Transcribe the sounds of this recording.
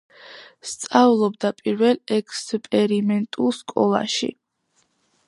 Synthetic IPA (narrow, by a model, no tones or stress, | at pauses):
st̪sʼavlˠɔb̚d̪apʼiɾvɛlˠɛkʰspʼɛɾimɛnt̪ʼulˠskʼɔlˠa̰ʃḭ